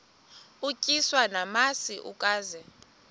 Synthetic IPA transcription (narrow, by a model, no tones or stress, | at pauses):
ucʼiswanamasiʔukʼaːzɛ